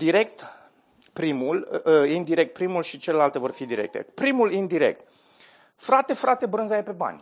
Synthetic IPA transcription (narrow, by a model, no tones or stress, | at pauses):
d̪iɾe̞k̚t̪ | pɾimulind̪iɾe̞k̚t̪̚pɾimulʃit͡ʃe̞le̞lalt̪e̞vo̞rfid̪iɾe̞̰k̚t̪e̞̰pɾimulind̪iɾe̞̰k̚t̪̚ | fɾat̪e̞fɾat̪e̞bɾɨnzajepe̞ba̰nʲ